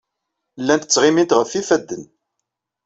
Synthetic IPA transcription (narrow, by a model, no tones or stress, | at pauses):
lːænt̪ːə̥t͡sːʁɪmint̪ʁəfːifæd̪ːən